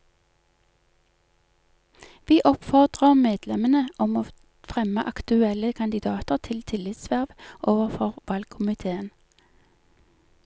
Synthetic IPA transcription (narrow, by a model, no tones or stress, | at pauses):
ʋiːʔɔpfɔʁd̪ʁəʁmeːd̪lɛmənəɔmoː | fʁɛməʔɑkt̪ʉɛləkʰɑnd̪ɪd̪ɑːt̪əʁt̪ʰɪlt̪ʰɪlɪt̪sʋæʁʋʔoːʋəʁfɔʁʋɑlɡ̚kʰʊmɪt̪ʰeːən